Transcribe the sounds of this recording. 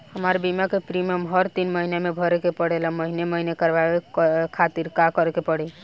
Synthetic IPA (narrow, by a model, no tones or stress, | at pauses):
həməɾbimakepɾiməmɦəɾt̪inməɦinemebʱəɾekepəɽeləməɦineməɦinekəɾbaekʰat̪iɾkakəɾkepəɽɛ